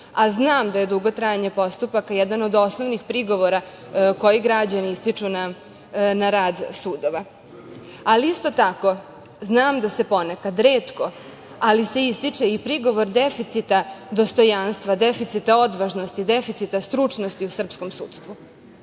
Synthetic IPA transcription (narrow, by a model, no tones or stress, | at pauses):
aznaːmd̪aje̞d̪uɡo̞t̪ɾajeɲe̞po̞st̪upakajɛd̪ano̞d̪o̞snoʋnixpɾiɡo̞ʋoɾa | ko̞jiɡɾad͡ʑaniist̪it͡ʂuna | naɾaːd̪suːd̪oʋa | aliist̪o̞t̪ako̞ | znaːmd̪ase̞po̞nekad̪ɾeːt̪ko̞ | alise̞ist̪it͡ʂeipɾiɡo̞ʋo̞ɾd̪efit̪sit̪ad̪o̞st̪o̞janst̪ʋad̪efit̪sit̪ao̞d̪ʋaʒno̞st̪id̪efit̪sit̪ast̪ɾut͡ʂno̞st̪iusr̩psko̞msṵːt̪st̪ʋu